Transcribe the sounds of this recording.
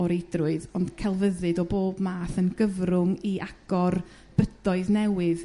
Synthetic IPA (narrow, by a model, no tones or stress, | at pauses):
ɔɾejdrʊɨðɔnd̥kʰɛlˠvəðɨdɔboːbmaːθənɡ̥əvrʊŋiʔaɡ̥ɔr | b̥ədɔɨðnɛwɨð